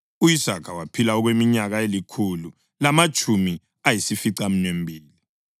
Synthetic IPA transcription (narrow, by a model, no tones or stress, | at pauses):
uisakʰawapʰilaɔɣwemiɲaɣaelikʰulu | lamat͡ʃʼʰumi | ajisifiǀam̩nembʱiːli